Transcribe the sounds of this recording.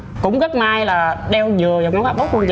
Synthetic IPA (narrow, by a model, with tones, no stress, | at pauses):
kʊ̰˧˥ŋ͡mɣə˦˥t̚maː˧jlaː˨˩ɗɛ˧wzɨ˨˩əja˨˩ŋ͡ma˨˦wkaː˧˩ɓo˦˥t̚kwu˧ŋz